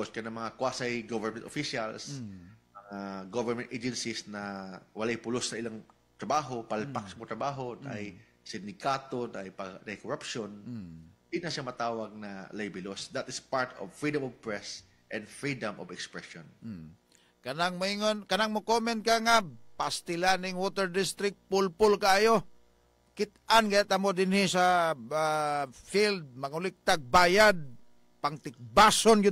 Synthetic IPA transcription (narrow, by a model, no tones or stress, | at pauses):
oskɐnɐmɐŋakwaːsajɡovɛɹmɛnt̪ofiʃalsmɐŋaɡovɛɹmɛnt̪ʔed͡ʒɛnsɪsnɐwɐlajpʊlosːɐʔɪlaŋ | t̪ɾɐbaːɦo̞palpaksmot̪ɾɐbaːɦo̞nʔaj | sɪnd̪ɪkaːt̪onɐʔɐjpɐɡnɐjkoɾapʃond̪inɐʃamɐt̪aːwɐɡ̚nɐlajbɪlosd̪ɐt̪ɪspaɹt̪o̰vfɹid̪ɐmɔvpɹɛs | ʔɛ̃nd̪fɹid̪ɐmo̰vɛkspɹɛʃon̩ | kɐnaŋmaiŋonkɐnaŋmokomɛnt̪̚kaŋapast̪ɪlanɪŋwot̪ɛɹd̪ɪst̪ɾɪk̚t̪̚pʊlpʊlkaːjo | kɪt̪ʔanɡajat̪amod̪ɪnhɪsa | fild̪̚mɐŋʊlɪk̚t̪aɡ̚baːjad̪̚ | paŋt̪ɪk̚basonɡɪ